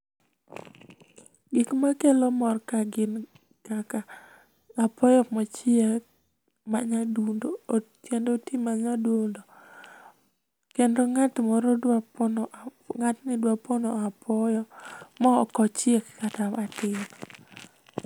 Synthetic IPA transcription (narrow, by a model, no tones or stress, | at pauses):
ɡɪkmakelomɔrkaɡɪn | kakaː | pʰɔjɔmɔt͡ʃɪɛk | maɲadundo | kendotimaɲadondo | kendoŋatmɔɾɔdwapnŋatnɪdwapɔnɔapʰɔjɔmɔːkɔt͡ʃɛkkatamatɪm